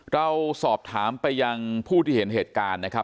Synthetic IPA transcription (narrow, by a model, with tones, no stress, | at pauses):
ɾa˧wsɔː˨˩p̚t̪ʰaː˩˦mpa˧jːa˧ŋpʰuː˥˩t̪ʰiː˥˩he˩˦nheː˨˩t̪̚kaː˧nːa˦˥kʰɾa˦˥p̚